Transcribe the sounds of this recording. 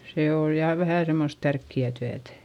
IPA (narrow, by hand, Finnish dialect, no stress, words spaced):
seː oːj jɑˑ ʋæhæ semːost tærkːiæˑ tyætæ̥